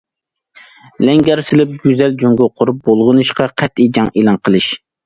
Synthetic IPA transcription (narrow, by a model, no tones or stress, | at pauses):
lɛŋɡʲɛɾsɪlɪp̚ɡʲyzɛld͡ʒoŋɡʲʊqʰʊɾup̚bolˠʁʊnɨʃqɑqʰɛt̪id͡ʒɑŋelˠɑnqʰəlˠɨʃ